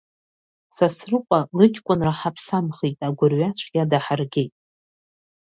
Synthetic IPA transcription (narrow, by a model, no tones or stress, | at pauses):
sasrɨqʷʼalɨkʲʰʼkʷʼʊnraħapʰsamχitʼaɡʷʊrɥat͡ɕʷʰɡʲadaħarɡʲe̞jtʼ